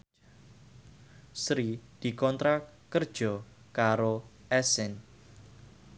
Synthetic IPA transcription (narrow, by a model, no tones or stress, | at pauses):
sɾid̪̥i̤kɔnt̪ɾakərd̥ʒ̥ɔ̤ | kaɾoʔɛsɪn